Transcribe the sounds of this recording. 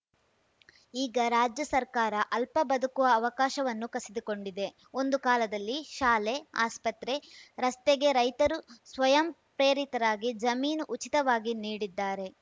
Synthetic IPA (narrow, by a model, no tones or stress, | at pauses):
iːɡɐɾaːd͡ʒjɐsɐɾkaːɾɐʔɐlpɐbɐd̪ukuʋɐːʋɐkaːʃɐʋɐnːukɐsid̪uko̞ɳɖid̪e̞ | o̞nd̪ukaːlɐd̪ɐlːiʃaːle̞a̰ːspɐt̪ɾe̞ɾɐst̪eɡe̞ɾɐjt̪ɐɾusʋɐjɐmpɾe̞ːɾit̪ɐɾaːɡid͡ʒɐmiːnuʔut͡ʃit̪ɐʋaːɡiniːɽid̪ːaːɾe̞